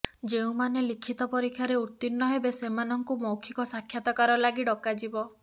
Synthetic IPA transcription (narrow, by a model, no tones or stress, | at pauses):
d͡ʒeũmanelikʰit̪ɔpɔɾikʰːjaɾeut̪ːinːɔɦebesemanɔŋkumɔwkʰikɔsakʰjat̪ɔkaɾɔlaɡiɖɔkad͡ʒibɔ